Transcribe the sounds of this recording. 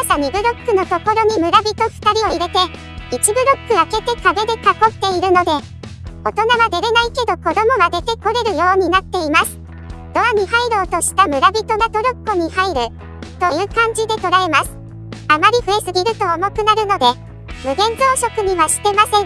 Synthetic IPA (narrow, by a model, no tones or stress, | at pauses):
asaɲ̟ibɯ̟ɾo̞kːɯ̟no̞t̪o̞ko̞ɾo̞ɲ̟imɯ̟ɾabʲit̪o̞ɸɯ̥t̪aɾʲio̞iɾe̞t̪e̞ | it͡ɕibɯ̟ɾo̞kːɯ̟ake̞t̪e̞kabe̞d̪e̞kako̞t̪ːe̞iɾɯ̟no̞d̪e̞ | o̞t̪o̞naβad̪e̞ɾe̞naike̞d̪o̞ko̞d̪o̞mo̞βad̪e̞t̪e̞ko̞ɾe̞ɾɯ̟jo̞ːɲ̟inat̪ːe̞imasɨ̥ | d̪̥o̞βaɲ̟iɦaiɾo̞ːt̪o̞ɕi̥t̪amɯ̟ɾabʲit̪o̞ɡ̪at̪o̞ɾo̞kːoɲ̟ihaiɾɯ̟ | t̪o̞jɯ̟ːkãɲ̟d͡ʑid̪e̞t̪o̞ɾae̞masɨ̥ | amaɾʲiɸɯ̟e̞sɨɡʲiɾɯ̟t̪o̞ːmo̞kɯ̟naɾɯ̟no̞d̪e̞ | mɯ̟ɡẽ̞nzo̞ːɕo̞kɯ̟ɲ̟iβaɕi̥t̪e̞masẽ̞